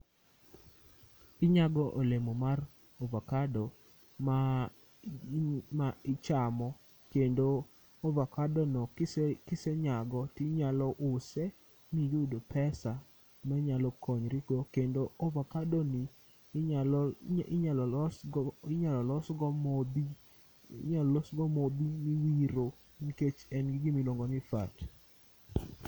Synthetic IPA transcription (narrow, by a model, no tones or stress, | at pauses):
ɪɲaɡɔʔolemomar | ovakadɔ | ma | maɪt͡ʃamɔ | kendo | ovakadonɔkɪseɲaɡɔtiɲalɔʔʊse | mijudopʰɛsa | mɛɲalɔkoɲɾikokendoovakadoni | alɪɲalɔlsɡɪɲalɔlɔsɡɔmobi | ɲalɔsɡɔmobimiwiɾo | miket͡ʃɛnɡɪɡɪmiloŋɡɔnɪfa̰t